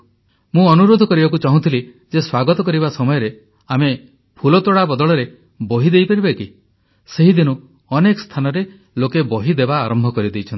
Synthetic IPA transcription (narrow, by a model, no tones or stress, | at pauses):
mũɔnuɾod̪ʱɔkɔɾibakut͡ʃaɦũt̪ʰili | d͡ʒeswaɡɔt̪ɔkɔɾibasɔmɔjɔɾe | ame | pʰulɔt̪ɔɽabɔd̪ɔɭɔɾe | bɔɦid̪ejpaɾibeki | seɦid̪inu | ɔnekɔst̪ʰanɔɾe | lokebɔɦid̪ebaːɾɔmbʱɔkɔɾid̪ejt͡ʃʰɔnt̪i